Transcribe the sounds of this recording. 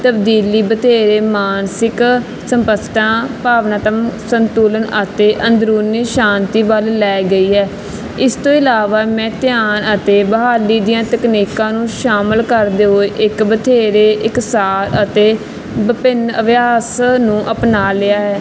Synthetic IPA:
t̪əbd̪iːliːbət̪ʰeːɾeːmaːnsɪk | səmpəsʈãːpaːʋnaːt̪əmsənt̪uːlənət̪eːʔənd̪ɾuːniʃaːnt̪iːʋəlːɛːɡəiːɦɛː | ɪst̪õːɪlaːʋaːmɛ̃ːt̪ɪjaːnət̪eːbəɦaːliːd̪ijãːt̪əkniːkãːnũːʃaːməlkəɾd̪eːɦoːeʔɪkbət̪ʰeːɾeːʔɪksaːɾət̪eː | bəpɪnəʋɪjaːsnũːʔəpnaːlɪaːɦɛː

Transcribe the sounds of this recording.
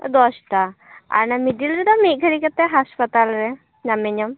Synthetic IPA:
d̪ɔsʈa | a̰ɾnamiɖilɾɛd̪ɔmiʔ̚ɡʱəɾikat̪ɛɦaspat̪alɾɛ | ɲameɲɔm

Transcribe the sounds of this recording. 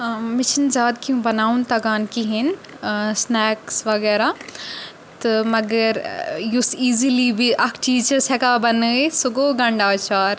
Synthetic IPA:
mɪt͡ʃʰinzaːd̪kiũbɐnaːunt̪ɐɡaːnkiɦin | snɛːksʋɐɡɛːɾa | t̪ɨmɐɡəɾjusiːzilibiʔɐkʰʈiːt͡ʃəsɛkabɐnəsuɡoːɡɐ̃ɳɖaːt͡ʃaːɾ

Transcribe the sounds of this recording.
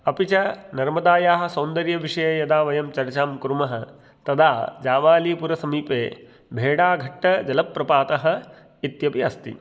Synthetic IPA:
ɐpit͡ʃɐnɐɾmɐd̪aːjaːɦɐ̆sɐːnd̪ɐɾjɐʋiʂɐjɐjɐd̪aːʋɐjɐmt͡ʃɐɾɐt͡ʃaːmkuɾumɐɦɐ̆ | t̪ɐd̪aːd͡ʒaːʋaːliːpuɾɐsɐmiːpeː | bʱeːɽaːɡʱɐʈːɐd͡ʒɐlɐpːɾɐpaːt̪ɐɦɐ̆ | it̪jɐpiɐst̪ḭ

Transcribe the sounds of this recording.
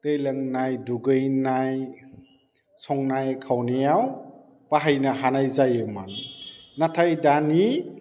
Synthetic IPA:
tejlaŋnajduɡɯjnaj | sɔŋnajkʰawnejaw | paɦajnaɦanajzajɯmannatʰajdani

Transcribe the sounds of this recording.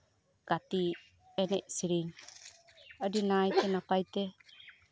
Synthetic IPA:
ɡ̥at̪i | ɛnɛ̰ʔ̚siɾiɲ | ədinajt̪ɛnapajt̪ɛ

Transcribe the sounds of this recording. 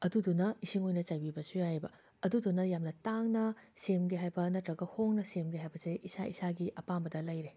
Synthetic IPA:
ɐdudunɐisiŋojnɐt͡ʃajbibɐsujajbɐ | ɐdudunːɐjamnɐtaŋnɐsemɡeɦajbɐnɐtɾɐɡɐhoŋnɐsemɡeɦajbɐseʔisaʔḭsaɡiʔɐpambɐdɐlɐjɾe

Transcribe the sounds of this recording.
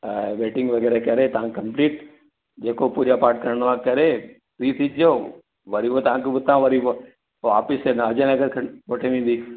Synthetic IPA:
ʋeːʈɪ̃ŋɡʋɐɡɛːɾekɐɾet̪ɐʋ̤ãkkɐ̃mpliːʈ | d͡ʑeːkopuːɾjapaːɾʈ̚kɐɾɽnʋaːkɐɾe | tit̪ʰid͡ʑio | ʋɐɾibot̪ɐʋ̤ãkebʊt̪ãʋɐɾibo | aːfɪsenɐd͡ʑə̃nɐɡəɾkʰɐʋoʈʰeʋĩːn̆d̪iː

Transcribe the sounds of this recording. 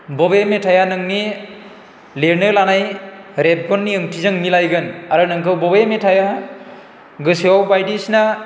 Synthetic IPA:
bɔbemetʰajanɯŋni | leɾnɯlanajɾep̚ɡɔnːiɯmtʰizɯŋmilajɡɯnaɾɯnɯŋkʰɯwbɔbemetʰaja | ɡɯsiawbajdisna

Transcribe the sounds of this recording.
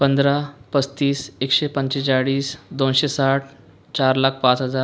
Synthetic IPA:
pənd̪ɾapət͡st̪iːsekɕepəɲt͡ɕet͡ɕaɽiːsd̪onɕesaʈʰ | t͡ɕaɾlakʰpãt͡sɦəd͡zaɾ

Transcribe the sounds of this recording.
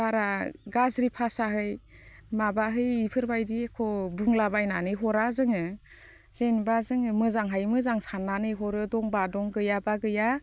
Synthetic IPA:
baɾaɡazɾipʰasaɦɯj | mabaɦɯjipʰɯɾbajdiekʰɔbɯŋlabajnanɯjɦɔɾazɯŋɯ | z̥enbazɯŋɯmɯzaŋɦajmɯzaŋsanːanɯjɦɔɾɯdɔŋbadɔŋɡɯjabaɡɯja

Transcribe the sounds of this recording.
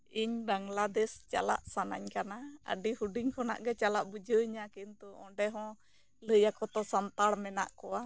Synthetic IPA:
iɲbaŋlad̪ɛst͡ʃa̰la̰ʔsanaɲkanaa̰ɖihuɖiŋkʰɔna̰ʔɡɛt͡ʃalaʔbud͡ʒəɲakint̪ɔʔɔ̰̃ɖɛɦɔ̃ | ləjakɔt̪ɔsant̪aɽmɛna̰ʔkɔwa

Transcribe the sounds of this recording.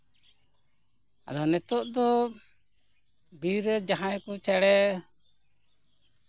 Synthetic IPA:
a̰d̪ɔnɛt̪ɔʔd̪ɔ | biɾɛd͡ʒaɦãjkɔt͡ʃɛɽɛ

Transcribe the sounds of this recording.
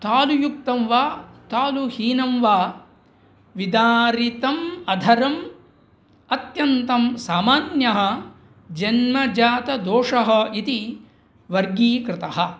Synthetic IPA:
t̪aːlujuk̚t̪ɐmʋaːt̪aːluhiːnɐmʋaː | ʋid̪aːɾit̪ɐmɐd̪ʱɐɾɐm | ɐt̪jɐnt̪ɐmsaːmaːnjɐɦɐ̆ | d͡ʒɐnmɐd͡ʒaːt̪ɐd̪oːʂɐɦɐ̆it̪i | ʋɐɾɡiːkɾɪt̪ɐɦɐ̆

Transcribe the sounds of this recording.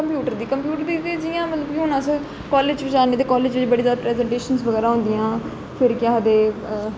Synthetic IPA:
kəmpjuːʈəɾd̪iːkəmpjuːʈəɾd̪iːt̪id͡ʒijãːmət̪ləbkiɦʊnãːsə | kɔːleːd͡ʒbɪt͡ʃaːneːt̪eːkɔːleːd͡ʒʋɪd͡ʒiːbəɽiːzjaːd̪aːpɾɛːzə̃ɳʈeːʃənsʋəɣɛːɾaːɦʊ̃ːnd̪ijãː | pʰɪɾkɪjãːəd̪eː

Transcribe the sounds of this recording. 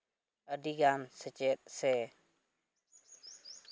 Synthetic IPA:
əɖiɡansət͡ʃet̪̚sɛ

